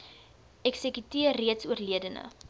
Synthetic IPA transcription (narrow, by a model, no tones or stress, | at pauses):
ɛksəkytiərːiətsuərliədənə̰